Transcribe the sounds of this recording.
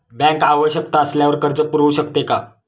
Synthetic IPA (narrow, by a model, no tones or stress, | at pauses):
bɛ̃ŋkaʋəɕəkt̪aːsljaʋəɾkəɾd͡zəpuɾuɕəkt̪eka